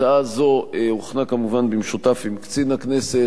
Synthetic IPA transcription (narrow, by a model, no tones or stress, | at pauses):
aazo̞euχnakamuvanbimʃutafimkt͡sinaknese